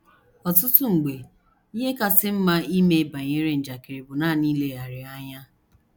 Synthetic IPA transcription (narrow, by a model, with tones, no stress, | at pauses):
ɔ˨t̬ʊ˦tʊ˦ŋ͡m̩˨ɡ͡be˨ | i˦ɦe˦ka˦sɪ˦m̩˦ma˦i˦me˦ba˨ɲe˦ɾe˦n̩˨d͡ʒa˨ke˨ɾe˨bʊ˨na˦˨niː˦le˨ɦa˨ɾɪ˨a˦ɲa˦